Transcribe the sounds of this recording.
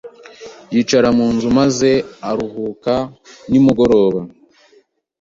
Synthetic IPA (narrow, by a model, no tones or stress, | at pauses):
jiːt͡ʃaɾamuːnzumaze̞aɾuhuːkanimuɡo̞ɾo̞ːβa